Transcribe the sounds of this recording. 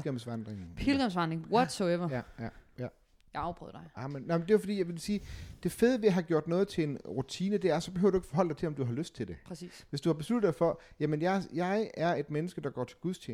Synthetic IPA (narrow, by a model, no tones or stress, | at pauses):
ɡ̥ɛmsʋɑnd̥ʁeŋpʰilɡ̥ɛmsʋɑnd̥ʁeŋwɒd̥sɔeɐjjæjæ | jaɑʊb̥ʁœ̰ð̰ˠd̥ɑɪɑmennɑmnd̥e̝jofɒ̽d̥ḭːjɑɪʋe̝lsiːd̥e̝feð̞ˠəʋe̝æɦɑ̈ɡ̥jo̝ɐ̰d̥nɔ̽ːð̩ˠt͡sʰe̝e̝nʁut͡sʰiːnəd̥e̝æɐsɒb̥e̝hø̰ʊdueɡ̥fɒɦɒ̽l̰d̥ɑ̈ɪt͡sʰe̝ɒ̽md̥uɦɑ̈løsd̥̚t͡sʰe̝ld̥e̝pʰsḭːsʋe̝sd̥uhɑbe̝slud̥ð̩ˠd̥ɑ̈ɪfɒ̽jæmənjɑ̈ɪjɑ̈ɪæɐe̝d̥menəsɡ̥əd̥ɑ̈ɡ̥ɒ̰ːt͡sʰe̝lɡ̥uðˠst͡ɕʰḛːn